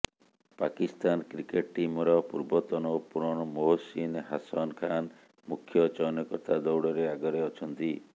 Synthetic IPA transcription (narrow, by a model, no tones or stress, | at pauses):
pakist̪ankɾikeʈ̚ʈimɔɾɔpuɾbɔt̪ɔnɔpuɾɔɽ̃ɔmoɦosinɦasɔnkʰan | mukʰjɔt͡ʃɔnjɔkɔɾt̪ad̪ɔwɽɔɾeaɡɔɾeɔt͡ʃʰɔnt̪i